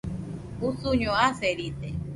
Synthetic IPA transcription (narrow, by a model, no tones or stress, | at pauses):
usuɲõaseɾit̪e